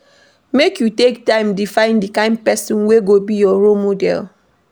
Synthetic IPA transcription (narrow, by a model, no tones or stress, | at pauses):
mekjutek̚tãɪ̃mdifãɪ̃ndikãɪ̃nd̚pɛsɔ̃nweɡobijɔɹolmodɛ̰l